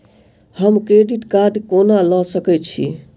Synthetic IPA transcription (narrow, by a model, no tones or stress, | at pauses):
həmkɾeɖiʈkaɾɖkonalɔsəkɛt͡ʃʰḭ